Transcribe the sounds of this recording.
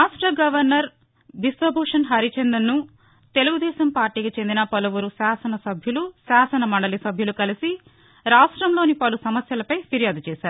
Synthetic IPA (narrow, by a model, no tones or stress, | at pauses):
aːʂʈɾɐɡɐʋɐɾnɐɾ | ʋisʋɐbʱɐːʂɐnɦɐɾit͡ʃend̪ɐnːu | t̪e̞luɡud̪ɛːʃɐmpaːɾʈːiːkit͡ʃe̞nd̪inɐpɐlɐʋuɾusaːsɐnɐsɐbʱjulusaːsɐnɐmɐɳɖɐlisɐbʱjulukɐlisi | ɾaːʂʈɾɐmlo̞ːnipɐlusɐmɐsjɐlɐpɐjpiɾijaːd̪ut͡ʃɛːsaːɾu